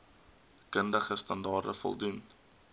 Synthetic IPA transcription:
kəndəχəstɐndɑːrdə̰fɔ̰lˠdun

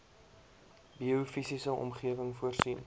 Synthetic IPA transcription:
biufisisəʔɔ̰mχiəvəŋfuərsin

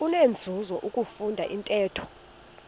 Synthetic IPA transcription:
unend͡zʱuzɔʔukʼufundʱa̰ʔintʼɛːtʰɔ̥

